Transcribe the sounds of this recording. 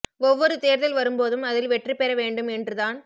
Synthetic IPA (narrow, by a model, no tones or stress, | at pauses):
ɔʋːɔɾɯt̪eːɾðɐlʋɐɾɯmpoːðɯmɐðɪlʋɛʈripɛɾɐʋeːɳɖɯmɛndrɯðaːn